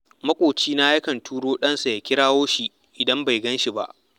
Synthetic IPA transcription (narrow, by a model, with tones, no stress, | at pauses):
mɐ˦kʷʼoː˨t͡ʃiː˦na˦ja˦kɐ˨ntʰuː˦ɽoː˦ɗɐ˦nsa˨ja˨kʲɪ˦ɽaː˦woː˦ʃi˨ | ʔɪ˨dɐ˦mba˨jɡɐ˦nʃi˨ba̰˦˨ʔ